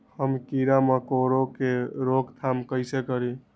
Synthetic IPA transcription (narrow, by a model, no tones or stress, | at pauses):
həmkiɾamekoɾokeɾoɡt̪ʰamkəɪsekəɾi